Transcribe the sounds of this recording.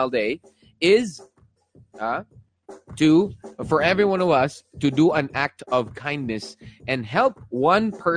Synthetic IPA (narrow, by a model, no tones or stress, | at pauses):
lˠdeɪ | ɪz | ʌ | tʰɨfə˞ɛvɹiwʌ̃nʌvʌstʰɨdəə̃næk̚tʌv̥kʰãɪ̃nːɨsɨ̃nɦɛlˠp̚wʌ̃npʰɜ˞